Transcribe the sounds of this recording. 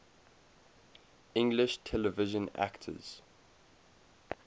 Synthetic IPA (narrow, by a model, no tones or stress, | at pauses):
ɪ̃ŋɡlɪʃtʰɛləvɪʒə̃na̰ktʰə̰z̥